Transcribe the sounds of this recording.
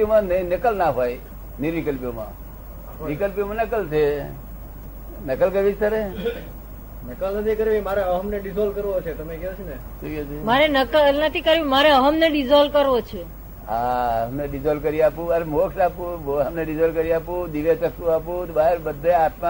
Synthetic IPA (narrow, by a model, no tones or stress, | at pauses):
omãnəĩnəkəlnaɦoj | niɾikəlpjomã̰ | ʋikəlpjomãnəkəlt͡ʃʰe | nəkəlkəɾʋit̪əɾe | nəkəlnət̪ʰikəɾʋimaɾeəɦəmneɖizolkəɾʋot͡ʃʰet̪əmekɛot͡ʃʰene | suet͡ʃʰemaɾenəkənət̪ʰikəɾʋimaɾeəɦəmneɖizolkəɾʋot͡ʃʰe | ɦaɦəmneɖid͡ʒɔlkəɾiapũəɾmokʰnapũoəmneɖizɔlkəɾiapũd̪iʋet͡ʃəksũapũt̪baɦeɾbəd̪ʱːeat̪mã